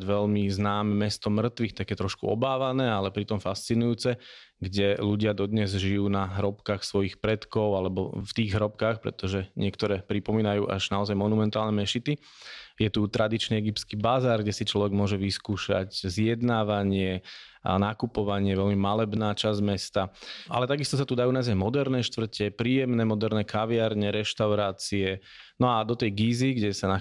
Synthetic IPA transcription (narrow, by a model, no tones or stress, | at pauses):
ɟʋɛʎmiznaːmɛmɛst̪ɔmr̩t̪ʋixt̪akjɛt̪ɾɔʃkṵɔ̰baːʋanɛːalɛpɾit̪ɔmfast͡sinujuːt͡sɛɡɟɛluɟɪad̪ɔd̪ɲɛzʒijuːnaɦɾɔpkaːxsʋɔjixpɾɛt̪kɔʊalɛbɔ̰ft̪iːɣɦɾɔp̚kaːxpɾɛ̰t̪ɔʒɛɲɪɛkt̪ɔɾɛːpɾipɔmiːnajuːʔa̰ʒnaɔzajmɔnumɛnt̪aːlnɛmɛʃit̪i | jɛt̪ut̪ɾad̪it͡ʃniɛɡipt͡skiːbazaːɾɡɟɛsit͡ʃlɔʋɛɡmʊɔʒɛʋiskuːʃa̰czɪjɛd̪naːʋaɲɪɛa̰nakupɔʋaɲɪɛʋɛʎmimalɛbnaːt͡ʃazmɛst̪aʔa̰lɛt̪aɡist̪ɔs̬at̪ud̪ajunazajmɔd̪ɛɾnɛːʃt̪ʋr̩cɛpɾiːjɛmnɛːmɔd̪ɛɾnɛkaʋɪaɾɲɛɾɛʃt̪aʊɾaːt͡siɛ | nɔad̪ɔt̪ɛjɡiːziɡɟɛsana